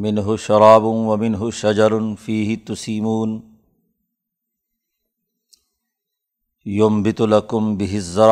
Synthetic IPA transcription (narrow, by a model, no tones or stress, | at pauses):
mɪnɦʊʃɑɾˤɑːbʊwɐmɪnɦʊʃad͡ʒɑɾˤʊfiːɦɪt̪ʊsiːmuːn | jʊmbɪt̪ʊlakʊmbɪɦɪzːɑɾˤ